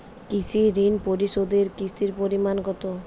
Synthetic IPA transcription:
kisʰiɾinpoɾisod̪eɾkist̪iɾpoɾimanɡɔt̪o

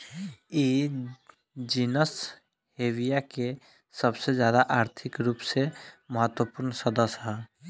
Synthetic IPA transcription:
i | d͡ʒiːnəs | heːwijake | səbsed͡ʒjaːd̪aʔaːɾt̪ʰɪkɾuːpseməɦət̪wəpʊɾnsəd̪əsɦɛː

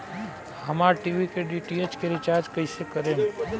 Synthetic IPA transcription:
ɦəmaːɾʈiʋikeɖiʈiet͡ʃkeɾit͡ʃaːɾd͡ʒkəisekəɾẽːn

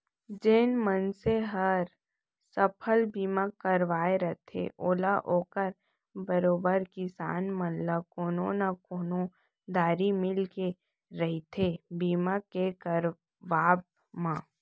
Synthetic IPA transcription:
d͡ʒeːnmənseɦəɾ | səpʰəlbiːmakəɾʋaːeɾət̪ʰḛʔoːlaʔoːkəɾ | bəɾoːbəɾkɪsa̰ːnmənlakoːnõnakoːnõ | d̪aːɾimɪlke | ɾəɦit̪ʰebiːmakekəɾ | ʋaːb̚ | mãː

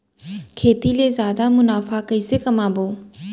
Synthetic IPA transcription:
kʰeːt̪ileːzjaːd̪amʊnaːfakəiːsekɐmãːboː

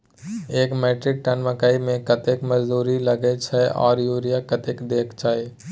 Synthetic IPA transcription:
eːkmeːʈɾɪk̚ʈɐnməkaːimẽkɐt̪ekmɐd͡ʒd̪uːɾilɐɡet͡ʃʰɛʔɔ̰ːɾjuːɾijakɐt̪ekd̪eːkʰt͡ʃaːe

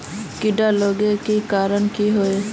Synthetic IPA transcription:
kiɖaloɡekikaːɾəɳkiɦoe

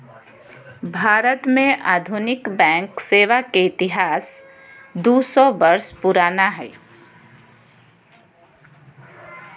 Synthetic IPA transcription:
bʱaːɾət̪mẽʔaːd̪ʱʊnɪkbɛ̃ːŋkseːʋakeɪt̪ɪɦaːs | d̪usɔbəɾspʊɾaːnaɦɛː

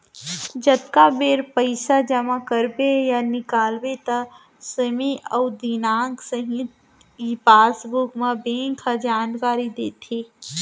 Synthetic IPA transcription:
d͡ʒɐt̪kabeːɾpəɪsad͡ʒɐmakəɾbejanɪkaːlbet̪a | səmeʔɔːd̪inaːɡsəɦĩt̪ | ipaːsbʊkmãbẽːŋkʰad͡ʒaːnkaːɾid̪eːt̪ʰeː

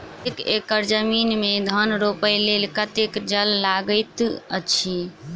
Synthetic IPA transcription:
ekḛkəɾd͡ʒəminmed̪ʱənɾopəjlelkət̪ekd͡ʒəlːaɡəɪt̪ə̰t͡ʃʰi

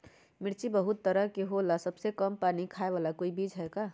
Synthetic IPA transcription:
mɪɾt͡ʃibəɦʊt̪ːəɾəkeɦolasəbsekəmpaːnikʰaːeʋaːlakoːibiːd͡ʒɦɛka

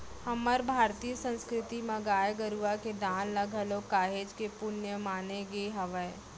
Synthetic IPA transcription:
hɐməɾbʱaːɾt̪ijəsə̃nskɾɪt̪imɐɡaːjɡəɾuaked̪aːnlɐɡʱəlokaːɦeːd͡ʒkepʊnjəmaːneɡeɦɐʋə

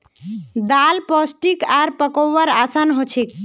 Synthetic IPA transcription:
d̪alpɔsʈikaɾpəkɔwəɾasanɦot͡ʃʰek

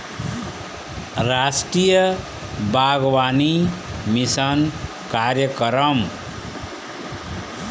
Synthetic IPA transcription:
ɾasʈɾijʌ | bʱaɡwanimisʌn | kaɾjʌkɾʌm

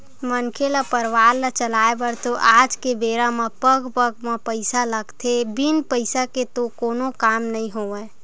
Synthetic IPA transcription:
mənkʰelapəɾʋaːɾːat͡ʃəlaːebəɾt̪oʔaːd͡ʒkebeːɾamapəɡpəɡmapəɪsaləɡt̪ʰebinpəɪsaket̪okoːnokaːmnəĩɦoːe

